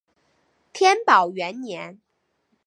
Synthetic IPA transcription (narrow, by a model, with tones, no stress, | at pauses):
t̪ʰjɛ˥npɑ˨˩ʊɥɛ˧˥nnjɛ˧˥n